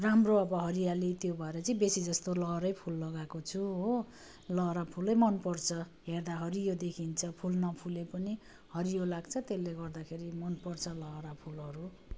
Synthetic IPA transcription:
ramroʌbʌɦʌɾijalit̪jobʱʌeɾʌt͡sʌĩbesid͡zʌst̪olʌɾʌjpʰulːʌɡakot͡sʰuɦo | lʌɾapʰulʌjmʌnpʌrt͡sʰʌ | ɦerd̪aɦʌɾijod̪ekʰint͡sʰʌpʰulnʌpʰulepʌni | hʌɾijolaɡt͡sʰʌt̪elːeɡʌrd̪akʰeɾimʌnpʌrt͡sʰʌlʌɾapʰulɦʌɾu

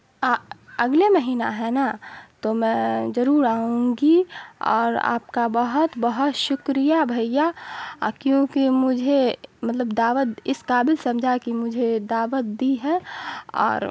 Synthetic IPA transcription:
aɐɡlemɐɦiːna̰ɦɛnat̪omɛ̃ːzɐɾuːɾaːɦũɡiɔ̰ːɾa̰ːp̚kabəɦʊt̪bəɦʊt̪ʃʊkɾijabʱɐjakjõːkimʊd͡ʒʱemɐt̪ləbd̪aːʋət̪̚ɪskaːbɪlsɐ̃md͡ʒʱakimʊd͡ʒʱed̪aːʋət̪̚d̪iɦɛːɔ̰ːɾ

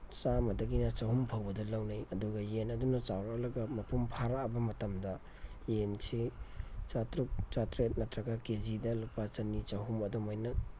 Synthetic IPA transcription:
t͡ʃamɐdɐɡinɐt͡ʃɐhumpʰawbɐdɐlɐwnajɐduɡɐjenɐdunɐt͡ʃawɾalɐɡɐmɐpʰumpʰaɾabɐmɐtɐmdɐ | jensit͡ʃatɾuk̚t͡ʃatɾet̚nɐtɾɐɡaked͡ʒidɐlupːat͡ʃɐnit͡ʃɐɦumɐdɔmojnɐ

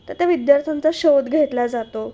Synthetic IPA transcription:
t̪əɾt̪jaʋid̪jaɾt̪ʰant͡saɕowd̪ɡʱet̪lad͡zat̪o

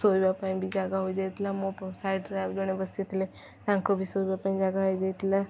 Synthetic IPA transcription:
soːbapaĩbʱid͡ʒaːɡaɦoid͡ʒaɪt̪lamopsaːjʈɾad͡ʒoñẽbəsit̪le | t̪ãːŋkobʱisobapaːĩd͡ʒaːɡaɦojd͡ʒaɪt̪la

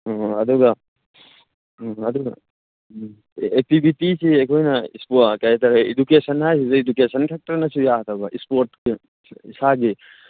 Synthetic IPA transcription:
ɐd̪uɡɐ | ɐd̪uɡɐ̰ | ek̚tibʱitisiekʰojnɐḭspokajt̪ɐɾɐedukesɐnɦajsizɐedukesɐnkʰek̚tɐɾnɐsujaɦɐt̪ʰabɐʔispoɾtki | isaɡi

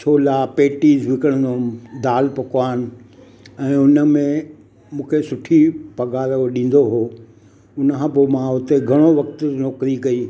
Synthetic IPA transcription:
t͡ɕʰoːlapeːʈiːzʋɪkəɽ̃nd̪od̪aːlpɐkoaːɦnɪ̆ | ɛ̃ːʊnə̆mẽ | mũːkʰesʊʈʰipɐɡaːɾəɗĩːn̆d̪oɦoː | ʊnəkʰãpoːmãʊt̪eɡʱɐɽ̃oʋɐkt̪nɔːkɾikɐiː

